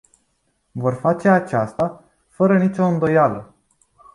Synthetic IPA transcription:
vo̞rfat͡ʃe̞at͡ʃast̪a | fəɾənit͡ʃʲo̞ɨnd̪o̞jalə

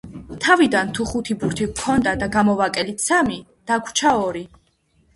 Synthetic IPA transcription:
t̪ʰavid̪ant̪ʰuχut̪ʰibuɾt̪ʰikʰɔnd̪ad̪aɡamɔvakʼɛlit̪sami | d̪̥aɡʰʷt͡ʃʰaɔɾi

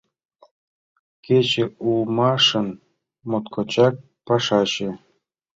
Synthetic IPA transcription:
ket͡ɕĕulˠmɑʂɤ̆n | mot̪kʰot͡ɕɑk̚ | pɑʃɑɕĕ

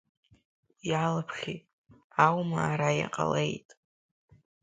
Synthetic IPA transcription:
ialɨpʰχʲi | awmaːɾaja̰qʼa̰lḛjtʼ

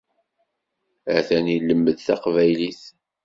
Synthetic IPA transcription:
əθænilːəmːəðθæqvæjliθ

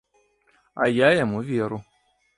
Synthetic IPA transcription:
a̰jajamuviɾʊ

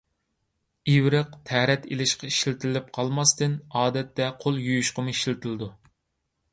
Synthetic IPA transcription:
iwɾɨqt̪ʰɛɾɛt̪ʰelɪʃqɑi̥ʃlɪt̪ʰɪlɪp̚qʰɑlˠmɑst̪ɨnɑːd̪ɛt̪ːɛqʰolˠjujuʃqəmuiʃlt̪ʰɪlɪd̪u

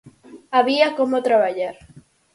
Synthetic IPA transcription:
aβiakomot̪ɾaβaʎaɾ

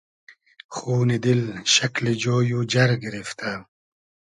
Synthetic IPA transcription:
xuːnid̪ilɕɐklid͡ʑoːjud͡ʑɐɾɡiɾift̪ʰa

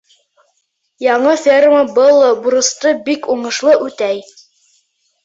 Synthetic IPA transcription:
jɑɴɤfʲerməbɤlˠbuɾɤ̆st̪ɤbikuɴɤ̆ʃlˠɤʔʉt̪æj

